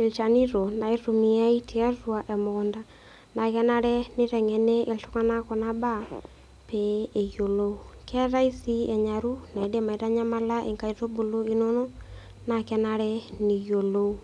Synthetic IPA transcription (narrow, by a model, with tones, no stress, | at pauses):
e˨lt͡ʃa˨ni˦ɾo˨na˨i˦ru˨mi˨a˦i˦tʰi˨a˦rwa˨ʔɛ˨mɔ˨ʊ˨nda˦ | na˨kɛ˦na˦ɾɛ˦nɪ˦ɾɛ˨ŋɛ˨nɛ˦ʔe˨ltʊ˦ka˦na˦kɔ˨na˦ba˦˨ | pɛ˨˦e˨jo˨lo˦u˦kʰɛ˦ɾa˦i˦si˦ɛ˨ɲa˨ɾu˦na˨i˨˦de˦ma˨i˨ɾa˦ɲa˦ma˦la˦ʔe˨ŋka˨i˨ɾo˦bo˨lo˦i˦no˦no˦ | na˨kɛ˦na˦ɾɛ˦nɪ˨jo˨lo˦u˦